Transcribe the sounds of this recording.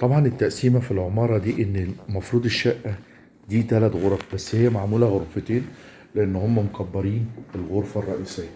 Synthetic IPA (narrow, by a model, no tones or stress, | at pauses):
t̪ˤɑbʕɑnet̪ːæʔsiːmæfilʕomɑːɾˤɑd̪iːʔenːmɑfɾuːd̪eʃːæʔːæ | d̪iːt̪ælæt̪ɣoɾˤɑfbæsːhɪjːæmaʕmuːlæɣoɾfet̪eːn | leʔenːhomːæmokæbːɑɾiːnelɣoɾˤfærˤːɑʔiːsejːæ